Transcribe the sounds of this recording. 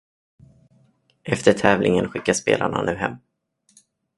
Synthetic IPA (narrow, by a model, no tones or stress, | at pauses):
ʔɛft̪əʈʰɛːvlʔɪŋənɧɪkːaspeːlaɳa̰nʉ̟ːɦɛmː